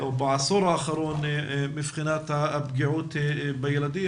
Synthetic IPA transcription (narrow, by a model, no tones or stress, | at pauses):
wbɪʕɑsˤuːɾˤɑʔaːxɑɾˤuːnmɪfxɪnaːt̪haʔabɡɪʕuːt̪bajalad̪ɪː